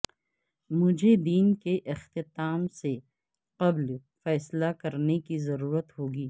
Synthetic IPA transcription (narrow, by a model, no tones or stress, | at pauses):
mʊd͡ʒʱed̪iːnkeʔɪxt̪ɪt̪aːmse | qɐblfɛːslakɐɾnekizɐɾuːɾət̪ɦoːɡiː